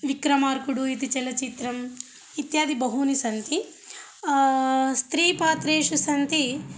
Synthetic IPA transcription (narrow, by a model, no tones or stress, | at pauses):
ʋikɾɐmaːɾkuɽuit̪̬it͡ʃɛlɐt͡ʃit̪ɾɐmː | t̪jaːd̪ibɐɦunisɐnt̪i | st̪ɾiːpaːt̪ɾeːʂusɐnt̪i